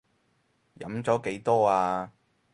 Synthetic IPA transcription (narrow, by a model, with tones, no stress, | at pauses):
jɐ̰˨˥mt͡sɔː˨˥ke˨˥jt̪ɔː˥aː˧